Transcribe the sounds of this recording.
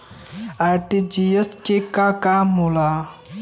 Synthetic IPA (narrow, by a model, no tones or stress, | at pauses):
aʈid͡ʒijəskekakamula